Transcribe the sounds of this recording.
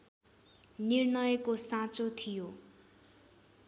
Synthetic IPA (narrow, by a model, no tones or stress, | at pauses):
nirnʌjʌkosãt͡sot̪ʰijo